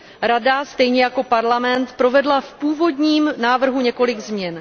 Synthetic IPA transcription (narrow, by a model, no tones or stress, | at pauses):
ɾadast̪ɛjɲɛjako̞paɾlamɛnt̪pɾo̞vɛdlafpuːvo̞dɲiːmnaːvr̩ɦuɲɛko̞lɪɡzmɲɛn